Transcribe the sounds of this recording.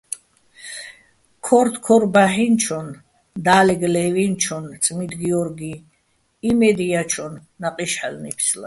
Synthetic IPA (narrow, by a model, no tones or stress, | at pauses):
kʰɔɾt̪ʰkʰɔɾbaħint͡ʃʰɔn | d̪aːlɛɡlɛvint͡ʃʰɔnt̪t͡s̪ʼmid̪ɡiɔɾɡi | imɛd̪ijat͡ʃʰɔnːaqʼiʃħalnipʰsla̰